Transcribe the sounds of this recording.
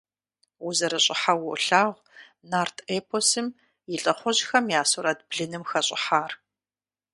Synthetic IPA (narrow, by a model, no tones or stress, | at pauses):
ʊzɐɾɐɕʼɪħawʊɬaːʁʷ | naːrtʰeːpʰosɨm | jɪɬʼɐχʷɔʑxɐmjaːsoɾaːd̚bɮɨnɨmxɐɕʼɪ̰ħaːr